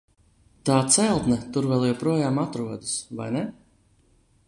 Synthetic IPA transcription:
t̪aːt̪sɛlˠt̪nɛt̪uɾvɛlˠjɛwpɾuɔjaːmat̪ɾuɔd̪ɨsva̰jnɛ

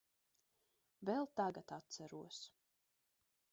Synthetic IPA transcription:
vɛlˠt̪aɡat̪at̪̚t̪sæɾuɔs

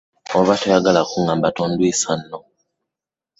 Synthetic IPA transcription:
oβatojaɡalakuŋɡambatoːndwiːsanːo

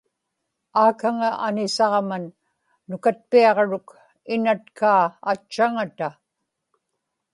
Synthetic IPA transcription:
aːkaŋaʔanɪsɑʁmanː | ʊkat̪̚piɑʁɻʊk | ɪnat̪kʰaːt͡ʃːaŋat̪a

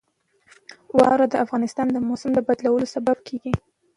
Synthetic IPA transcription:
wɑ̰wɾad̪əafɣɑnɪst̪ɑnd̪əmosʊmd̪əbad̪lawəlosabab̚kʰeɡi

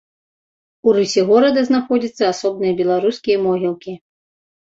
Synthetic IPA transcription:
uɾɨsʲɛɣɔɾɐd̪ɐznaxɔd͡zʲit̪sːɐasɔbnɨjɐbʲɛlˠaɾuskʲijɐmɔɣʲilˠkʲi

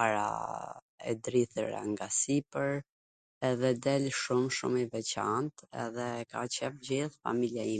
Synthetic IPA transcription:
aɾa̰ | ɛ̰d̪ɾiθəɾa̰ŋɡasipəɾ | ɛðɛd̪ɛlʃumʃṵmivɛt͡ɕant̪ɛ̰ðɛka̰t͡ɕɛfd͡ʑiθfa̰miljai

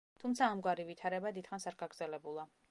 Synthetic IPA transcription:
t̪ʰumt̪sʰaːmɡwaɾivit̪ʰaɾɛbad̪id̪χansaɾɡaɡɾd̪zɛlɛbulˠa

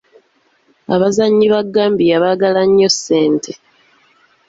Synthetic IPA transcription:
a̰βazaɲːiβaɡːaːmbijaβaːɡalaɲːo̞sːe̞ːntʰe̞

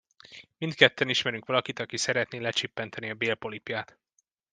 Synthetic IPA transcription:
mint̪kɛt̪ːɛniʃmɛɾyŋkʋɒlɒkit̪ɒkisɛɾɛt̪neːlɛt͡ʃipːɛnt̪ʰɛniɒbeːlpo̞lipjaːt̪

